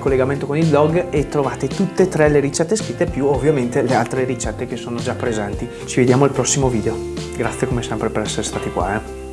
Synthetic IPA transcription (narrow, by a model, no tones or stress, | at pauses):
kolːeɡament̪okonilblɔɡet̪ːɾovaːt̪et̪ut̪ːet̪ːɾɛleɾit͡ʃɛt̪ːeskɾit̪ːepjuovːijament̪elealt̪ɾeɾit͡ʃɛt̪ːek̟esːoːnod͡ʒapːɾezɛnt̪i | t͡ʃived̪jaːmoilpɾɔsːimoviːd̪eoɡɾat̪sːjekomesɛmpɾepeɾɛsːeɾest̪aːt̪ikwa̰ɛ